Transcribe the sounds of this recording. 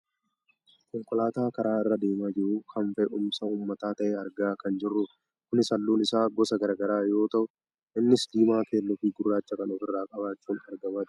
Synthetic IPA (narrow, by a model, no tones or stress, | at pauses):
kɔŋkʼɔlaːt̪aːkɐɾaːɪrːɐd̪e̞ːmaːd͡ʒɪɾukʰɐmfɛʔʊmsɐuːmːɐt̪aːt̪ɐʔɛɐɾɡaːkɐnd͡ʒɪrːʊ | kʊnɪsɐlːuːnɪsaːɡɔsɐɡɐɾɐɡɐɾaːjo̞ːt̪ɐʔʊ | ʔɪnːɪsd̪iːmaːke̞ːlːɔfiːɡʊrːaːt͡ʃːɐkɐnɔfɪrːaːkʼɐβaːt͡ʃːuːnɐɾɡɐmaːd͡ʒ̪